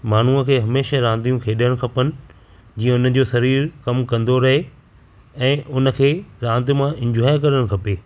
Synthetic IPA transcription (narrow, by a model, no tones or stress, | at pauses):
maːn̤uəkʰeːɦɐmeːʃaɾãːnd̪ijũkʰeːɗəɽ̃kʰɐpənɪ̆ | d͡ʑiːə̃ʊnə̆d͡ʑoːsɐɾiːɾkɐmkɐ̃nd̪oɾɐɦe | ɛ̃ːʔʊnə̆kʰeːɾãːnd̪ɪmãʔɪ̃ɲd͡ʑoɦaːjkɐɾəɽ̃kʰɐpeː